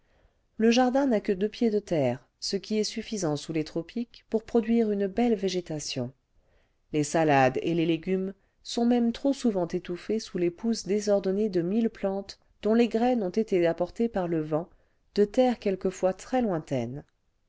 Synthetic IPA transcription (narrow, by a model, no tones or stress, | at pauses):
ləʒaʁd̪ɛ̃nakəd̪øpjed̪ət̪ɛːʁ | səkʲiɛsyfizɑ̃sulet̪χɔpʰikpuʁpχɔd̪ɥiʁynbɛlveʒet̪asjɔ̰̃ | lesalad̪ḛleleɡʲym | sɔ̃mɛmt̪χosuvɑ̃t̪et̪ufesulepusd̪ezɔʁd̪ɔned̪əmilplɑ̃t̪ | d̪̥ɔ̃leɡʁɛnɔ̃t̪et̪eapɔʁt̪epaʁləvɑ̃ | d̪̥ət̪ɛʁkʲɛlkəfwat̪χɛlwɛ̃t̪ɛ̰n